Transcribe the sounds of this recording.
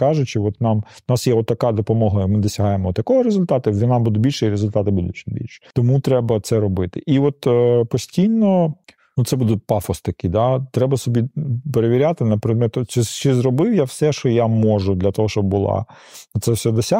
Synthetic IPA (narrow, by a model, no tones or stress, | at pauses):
kɑʒʊt͡ʃɪɔt̪nɑmnɑsjɛɔt̪ːɐkɑd̪ɔpɔmɔɦɐimɪd̪ɔsʲɐɦɑjemɔɔt̪jɐkɔɦɔɾezʊlʲt̪ɑt̪ɪʋʲinɑmbud̪ʊbʲilʲʃɛiɾezʊlʲt̪ɑt̪ɪbud̪ʊtt͡ʃʲɪnʲbʲḭlʲʃɛ̥t̪ɔmut̪ɾɛbɐt̪sɛɾɔbɪt̪ɪ̰ʔiʋɔt̪pɔsʲtʲijnɔ | nut̪sɛbud̪ʊpɑfɔst̪ɐkɪd̪at̪ɾɛbɐsɔbʲipeɾeʋʲiɾʲat̪ɪnɐpɾɪd̪̚mɛt̪ʊt͡ʃit͡ʃɪzrɔbɪwjawsɛʃt͡ʃɔjamɔʒʊd̪lʲɐt̪ɔɦɔʃt͡ʃɔbbʊlˠɑ̰ | ʊt̪sɛfsʲɛd̪ɔsʲa